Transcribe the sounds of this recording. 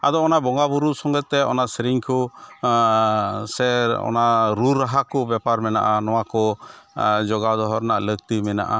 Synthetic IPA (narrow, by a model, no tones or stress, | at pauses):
a̰d̪ɔːnaʔbɔŋɡabuɾuʔsɔŋɡɛt̪ːɛɔ̰naʔsɾiŋkʰɔ | sɛɔ̰naɾuɾːaɦakɔbɛpaɾmɛna̰ʔanɔw̃akɔ | d͡ʒɔɡad̪ɔɦɔɾnaʔlək̚t̪imɛna̰ʔa̰